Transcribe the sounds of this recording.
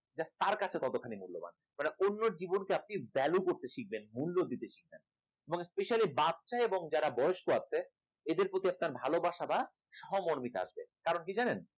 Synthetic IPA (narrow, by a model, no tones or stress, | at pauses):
d͡ʑat̪aɾkat͡ɕʰet̪ɔt̪okʰːanimulːo̰ba̰n | maneʔonːoɾd͡ʑibonkeap̚nibɛlukoɾt̪eʃik̚benmulːod̪it̪eʃik̚ben | eboŋspeʃialibat̪ːʃaeboŋd͡ʑaɾabɔjoʃkoat͡ɕʰe | ed̪eɾpɾot̪iap̚naɾbʱalobaʃaba | ʃɔɦomoɾmit̪ea̰ʃbekaɾonkid͡ʑanen